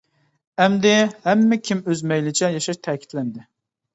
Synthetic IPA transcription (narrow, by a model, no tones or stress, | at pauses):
ɛmd̪ɪhɛmːɛkʲʰimøzmɛjlɪt͡ʃʰɛjɑʃɑʃt̪ʰɛːkʲʰi̥t̪lɛnd̪ɪ